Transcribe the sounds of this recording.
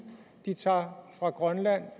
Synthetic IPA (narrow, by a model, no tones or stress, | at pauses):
d̥it͡sʰɑ̰̈ːfʁɑ̈ɡ̥ʁɶnlæn̰